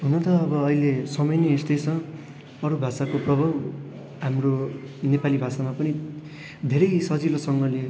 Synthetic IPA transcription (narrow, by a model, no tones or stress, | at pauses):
ɦunʌt̪ʌːbʌːilesʌmʌjneːst̪ʌjt͡sʰʌ̃ | ʌɾubʱasakoprʌbʱaw | ɦamro | nepalibʱasamapʌni | d̪ʱeɾʌjsʌd͡zilosʌŋɡʌle